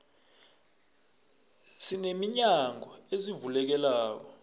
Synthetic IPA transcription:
sinemiɲaŋʱɔezivulɛk̬ɛlaːk̬ɔ

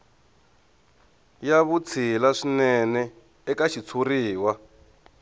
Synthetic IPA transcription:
jaβut͡sʰilaʂinɛnɛ | ɛkaʃit͡sʰuriːwa

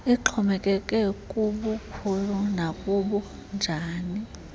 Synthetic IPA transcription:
iǃʰɔmɛkʼɛkʼɛkʼuɓukʰulunakʼuɓu | nd͡ʒʱaːni

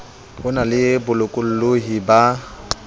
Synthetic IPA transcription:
bʊnalɪbʊlʊkʼʊl̩loɦiba

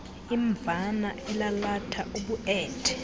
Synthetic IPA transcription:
iɱb̪vʱanaʔɛlalatʰaʔuɓuʔɛːtʰɛ̥

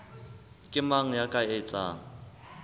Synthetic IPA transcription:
kʼɪmaŋ̩jakʼaet͡sʼa̰ːŋ̩

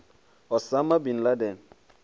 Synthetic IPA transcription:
ɔsamabin̩ladɛn̩

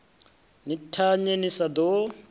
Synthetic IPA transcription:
nitʰaɲenisad̪ɔ

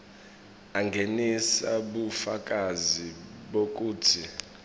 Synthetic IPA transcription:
aŋɡʱenisaɓufakʼaziɓok̬ʼuːtʰi

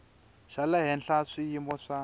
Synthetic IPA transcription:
ʃalaɦɛnɬaʂijimɔʂa

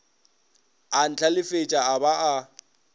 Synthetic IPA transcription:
an̩t͡ɬʰʼalɪfet͡ʃʼaabaʔa

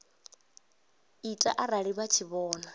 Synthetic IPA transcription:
itʼa̰ʔaɾaɺiβat͡ʃʰiβɔːna

